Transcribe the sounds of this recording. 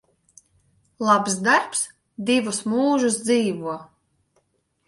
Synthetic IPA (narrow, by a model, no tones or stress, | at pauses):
lˠabsd̪aɾps | d̪ivusmuːʒusd̪ziːvuɔ